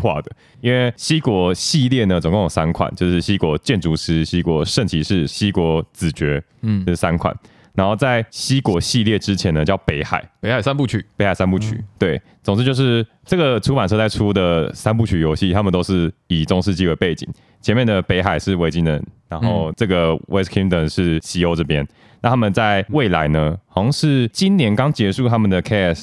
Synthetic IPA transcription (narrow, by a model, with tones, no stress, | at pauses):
xwa̰˥˩d̪ə˩ | i˥nwe˥˩ɪɕi˥kwɔ˧˥ɕi˥˧ljɛ˥˩nə˩t͡so˨ŋkʊ˥˩jo˨˩ŋsa˦˥nkʰwa̰˨˩˦nt͡ɕjo˥˧ʊʂɻ̩˥˩ɕi˦˥kwɔ˧˦t͡ɕjɛ˥˩nʈ͡ʂu˧˥ʂɻ̩˥ɕi˥kwɔ˧˦ʂə˥˩nt͡ɕʰi˧˥ʂɻ̩˥˩ɕi˥kwɔ˧˥˦t͡sɹ̩˨˩t͡ɕɥɛ˧˥ | o˥˧ʂ̩˥˩sa˦˥nkʰwa̰˨˩˦n | na˧˥nxo˥˧ʊt͡sa˥˩ɪɕi˥kwɔ˧˥ɕi˥˧ljɛ˥˩ʈ͡ʂɻ̩˦t͡ɕʰjɛ˧˥nə˧t͡ɕjɑ˥˩ʊpe˧˥ɪxa̰˨˩ɪe˧˦a˨˩sa˥npu˥˩t͡ɕʰy˨˩˦pe˧˥xa˨˩ɪsa˦˥npu˥˩t͡ɕʰy̰˨˩˦t̪we˥˩ɪ | t͡so˨ŋʂ̩˥˧t͡ɕjo˥˧ʊʂ̬ɻ̩˥˩ | ʈ͡ʂɤ˥˩ɡə˩ʈ͡ʂʰu˥pa˨˩nʈ͡ʂʰɤ˥˧t͡sa˥˩ɪʈ͡ʂʰu˥d̪ə˨sa˥np̬u˥˩t͡ɕʰy˨˩jo˧˥ɕi˥˨˩t̪ʰa˥mə˨nt̪o˥ʊʂɻ̩˥˩i˨˩ʈ͡ʂʊ˥ŋʂɻ̩˥˧t͡ɕi˥we˧ɪpe˥˩ɪt͡ɕḭ˨˩˦ŋ | t͡ɕʰjɛ˧˦mjɛ˥˩nd̪ə˩pe˧˥ɪxa˨˩ɪʂɻ̩˥˩we˧˥ɪt͡ɕi˥nə˨˧˦nna˧˦nxo˥˧ʊʈ͡ʂɤ˥˩ɡə˩wʔɛ˧˥skʰi˥ŋt̪ə˨˩nʂɻ̩˥˩ɕi˥o˧˥ʊʈ͡ʂɤ˥˩pjɛ˥n | na˥˩t̪ʰa˥mə˨nt͡sa˥˧ɪwe˥˩ɪla˧˦ɪnə˦xɑ˧˥ŋʂɻ̩˥˧t͡ɕi˥nnjɛ˧˥nkɑ˥ŋt͡ɕjɛ˧˥ʂu˥˩t̪ʰa˥mə˨nd̪ə˨kʰɛ˥ɛ˥˩s